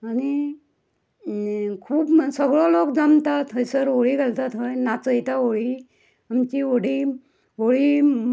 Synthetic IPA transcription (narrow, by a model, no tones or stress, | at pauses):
aɽ̃i | kʰuːpsəɡɭɔlokd͡zamt̪at̪ɦəjsəɾoɭiɡalt̪at̪ɦəjnat͡səjt̪aoɭi | amt͡ɕioɽi | oɭi